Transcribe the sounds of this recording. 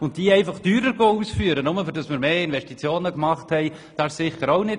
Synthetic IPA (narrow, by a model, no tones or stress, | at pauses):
ʊnttiːɛɪfɑχtyːɾəɾɡoːuːsfyːəɾənʊməfʏɾdɑsmɪːɾmeːɪnvɛʃtit͡sjoːnəkmɑχthɛɪ | d̥ɑːssɪχəɾoʊnɪ